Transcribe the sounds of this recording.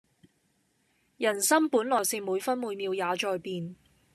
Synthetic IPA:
jɐ˨˩nsɐ˥mpuː˨˥nlɔː˨˩jsi˨˧ŋmuː˨˧jfɐ˥nmuː˨˧jmiː˨˧wjaː˨˧t͡ʃɔː˨˧jpiː˨n

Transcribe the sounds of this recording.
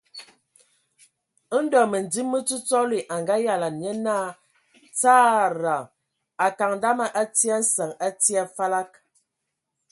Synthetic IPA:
n̩˦dɔ˨mə˨n˨di˦mːə˦t͡su˦t͡sɔ˦li˨ʔa˨ŋɡa˦ja˨la˨njə˦na˦ | t͡saː˦ɾa˨ | a˨ka˨ŋn˨da˦ma˦ʔa˦ti˦a˦n̩˦sə˨ŋa˦ti˦a˦fa˦la˦k̚

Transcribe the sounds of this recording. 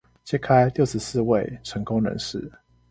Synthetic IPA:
t͡ɕjɛ˥kʰa˦˥ɪljo˥˨ʊʂɻ̩˨˥sɹ̩˥˧we˥˨ɪʈ͡ʂʰə˨˦ŋkʊ˥˦ŋnə̰˧˥nʂɻ̩˥˨

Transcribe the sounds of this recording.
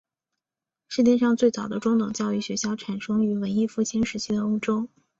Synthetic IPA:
ʂɻ̩˥˧t̪jɛ˥˧nʂɑ˥˧ŋt͡swe˥˩ɪt͡sɑ˨˩ʊd̪ə˦ʈ͡ʂʊ˥ŋt̪ɤ˨˩ŋt͡ɕjɑ˥˧ʊi˥˩ɕɥɛ˧˥ɕjɑ˥˩ʊʈ͡ʂʰa˨˩nʂɤ˥ŋy˧˥wə˧˥ni˥˧fu˥˩t͡ɕʰi˥nʂɻ̩˧˥t͡ɕʰi˥d̪ə˨o˥ʊʈ͡ʂo˥ʊ

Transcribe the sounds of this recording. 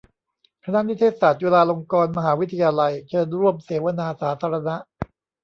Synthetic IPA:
kʰa˧na˦˥ʔni˦˥t̪ʰeː˧˥˩t̪saː˨˩t̪̚weː˧laː˧lo˧ŋkɔː˧nma˧ɦaː˩˦wi˦˥t̪ʰa˧jaː˧la˧jt͡ɕʰɤː˧nɾu˥˩əmseː˩˦wa˧naː˧saː˩˦t̪ʰaː˧ɾa˧na˦˥ʔ

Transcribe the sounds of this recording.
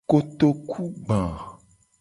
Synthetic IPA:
ko˨t̪o˨kʰu˦ɡ͡bã˨

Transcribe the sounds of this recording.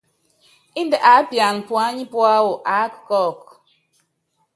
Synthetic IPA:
i˦n˦də˨ʔa˨˦pja˨n˨pwa˦ɲi˦pwa˦wo˨ʔa˨˦kkɔ˦˨k̚

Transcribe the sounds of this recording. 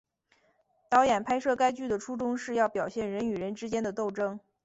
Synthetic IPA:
t̪ɑ˧˥ʊjɛ˨˩npʰa˥ɪʂɤ˥˩ka˥ɪt͡ɕy˥˩d̪ə˩ʈ͡ʂʰu˥ʈ͡ʂʊ˥ŋʂɻ̩˥˧jɑ˥˩ʊpjɑ˨˩ʊɕjɛ˥˩nɻə˧˥ny˨˩ɻə˧˥nʈ͡ʂɻ̩˥t͡ɕjɛ˥nd̪ə˨t̪o˥˩ʊʈ͡ʂɤ˥ŋ

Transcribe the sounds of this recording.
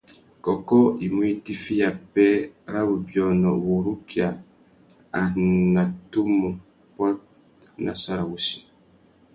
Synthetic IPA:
kɔ˨kɔ˦i˨mu˦i˦ti˦fi˦ja˨pɛ˦ɾa˦wu˨bjɔ˨nɔ˨wo˨ɾu˦kja˨ | a˨na˨tu˦mu˨ | pɔ˦t̚ | na̰˨sa˦ɾa˨wu˨˦si̥˨

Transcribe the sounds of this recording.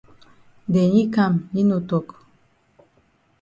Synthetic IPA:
dɛ˨ɲi˦ka˦˨mɲi˦no˨tɔ˨k

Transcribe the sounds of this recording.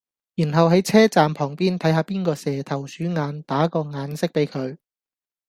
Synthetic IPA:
jiː˨˩nɦɐ˨wɦɐ˨˥jt͡sʰɛː˥t͡saː˨mpʰɔː˨˩ŋpiː˥nt̪ʰɐ˨˥jhaː˧piː˥nkɔː˧sɛː˨t̪ʰɐ˨˩wsyː˨˥ŋaː˨˧nt̪aː˨˥kɔː˧ŋaː˨˧nsɪ˥k̚pe˨˥jkʰɵ˨˧ɥ

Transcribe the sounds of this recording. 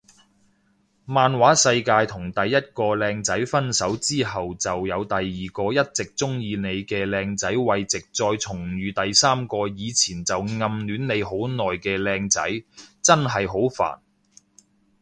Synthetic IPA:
maː˨nwaː˨˥sɐ˧jkaː˧jt̪ʰʊ˨˩ŋt̪ɐ˨jːɐ˥t̚kɔː˧lɛː˧ŋt͡sɐ˨˥jfɐ˥nsɐ˨˥wt͡siː˥ɦɐ˨wt͡sɐ˨wjɐ˨˧wt̪ɐ˨jːiː˨˩kɔː˧jɐ˥t̚t͡sɪ˨k̚t͡sʊ˥ŋjiː˧ne˨˧jkɛː˧lɛː˧ŋt͡sɐ˨˥jwɐ˨jt͡sɪ˨k̚t͡sɔː˧jt͡sʰʊ˨˩ŋɥyː˨˧t̪ɐ˨jsaː˥mkɔː˧jiː˨˧t͡sʰiː˨˩nt͡sɐ˨wŋɐ˨mnyː˨˥nne˨˧jɦo˨˥wnɔː˨jkɛː˧lɛː˧ŋt͡sɐ˨˥jt͡sɐ˥nɦɐ˨jɦo˨˥wfa̰ː˨˩n

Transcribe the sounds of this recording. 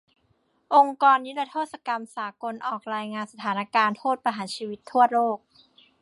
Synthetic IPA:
ʔo˧ŋkɔː˧nːi˦˥la˧t̪ʰoː˥˩t̪sa˧ka˧msaː˩˦ko˧nʔɔː˨˩k̚ɾaː˧jŋaː˧nsa˧t̪ʰaː˩˦na˧˩kaː˧nt̪ʰoː˥˩t̪̚pa˧ɦaː˩˦t͡ɕʰiː˧wi˦˥t̪ʰːu˥˩ɐɾoː˥˩k̚

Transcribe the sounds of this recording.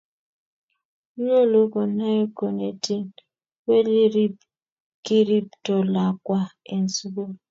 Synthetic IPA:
ɲo˦˨lo˦ko˨na˦ko˨ne˨ti˦n | we˦li˦ | ki˦ɾi˦p̚tɔ˨la˨kwa˦e˨n̩˨su˦ɡo˦

